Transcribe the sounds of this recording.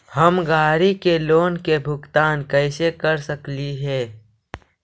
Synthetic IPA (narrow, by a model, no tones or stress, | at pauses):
hɐmɡaːɾikeloːnkebʱʊkt̪aːnkəɪsekəɾsəkliɦɛː